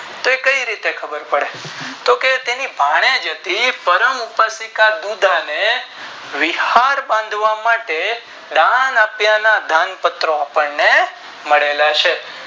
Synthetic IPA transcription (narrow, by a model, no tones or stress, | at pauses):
t̪oekəiɾit̪ekʰəbəɾpəɭet̪oket̪enibʱaɽ̃ed͡ʒət̪ipəɾəmupasikad̪ud̪ʱane | ʋihaɾbãnd̪ʱʋamaʈe | d̪anapjanad̪ʱanpət̪ɾoapəɳne | məɭelat͡ʃʰe